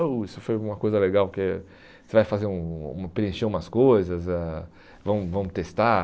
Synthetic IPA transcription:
ɐisʊfojũmɐkojzɐleɡawpke | sevajfazeɾũṵ̃mɐpɾeẽʃeɾ̃mɐskojzɐza | vɐ̃w̃vɐ̃w̃t̪est̪a

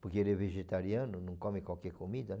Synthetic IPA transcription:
poɾkeeɾeveʒet̪aɾjãnʊnɐ̃ŋkɔmɪkwalkɛɾkomid̪ɐ

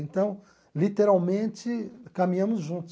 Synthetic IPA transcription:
ẽnt̪ɐ̃w̃ | lit̪eɾawmẽnt͡ʃɪkɐmĩɲɐ̃mʊzʒũnt̪ʊ

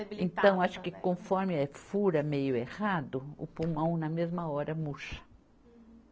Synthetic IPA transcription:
ẽnt̪ɐ̃w̃aʃʊ̥kɪkõfɔɾmɪɛfuɾɐmejʊehad̪ʊʊ̰pũmɐ̃w̃nɐmezmɐɔɾɐmuʃɐ̥

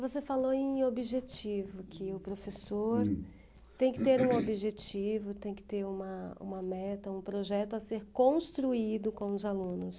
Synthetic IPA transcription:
vosefaloẽj̃obiʒet͡ʃivʊkʰɪʊpɾofesoɾ | t̪ẽj̃kɪ̥t̪eɾũobiʒet͡ʃivʊt̪ẽj̃kɪ̥t̪eɾũmɐṵ̃mɐmɛt̪ɐũpɾoʒɛt̪ʊaseɾkõst̪ɾuid̪ʊkõw̃ʊzalũnʊs

